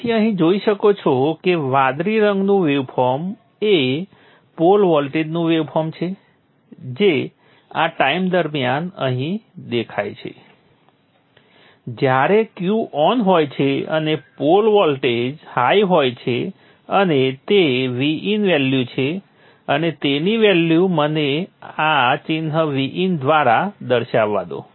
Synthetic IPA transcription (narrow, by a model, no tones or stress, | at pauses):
iəɦĩd͡ʒoiʃəkot͡ʃʰɔkeʋad̪ɾiɾəŋɡnũʋeʋfʰɔɾm | e | polʋɔlʈed͡ʒnũʋeʋfʰɔmt͡ʃʰe | d͡ʒe | a̰ʈaimd̪əɾmijanə̰ɦĩd̪ekʰajt͡ʃʰḛ | d͡ʒjaɾekjuʔɔnɦojt͡ʃʰeə̰nepolʋɔlʈed͡ʒhajɦojt͡ʃʰe | ənet̪eʋiʔinʋɛljut͡ʃʰe | ənet̪eniʋɛljuməneat͡ʃinɦəʋiʔind̪ʋaɾad̪əɾʃaʋːa̰d̪o̰